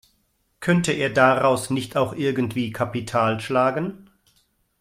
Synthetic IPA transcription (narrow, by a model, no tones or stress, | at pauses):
kʰœntəʔeːɐdaʁaʊsnɪçtʰaʊxʔɪɐɡən̩tv̥iːkʰapitʰaːlʃlaːɡən